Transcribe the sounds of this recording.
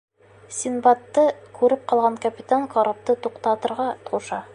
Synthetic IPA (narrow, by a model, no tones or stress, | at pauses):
sʲinbat̪ːɤkʉɾɘp̚qɑlˠʁɑŋkɐpʲit̪aŋkɒɾop̚t̪ɤt̪uqt̪ɑt̪ɤ̆ɾʁɑt̪uʃɑ